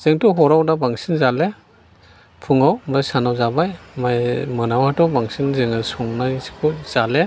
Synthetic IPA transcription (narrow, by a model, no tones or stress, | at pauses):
z̥eŋtɔɦɔɾawdabaŋsinzale | pʰuŋawmɾajsanawzabajmajmɯnawatɔwbaŋsinzeŋɯsɔŋnajskʰuz̥ale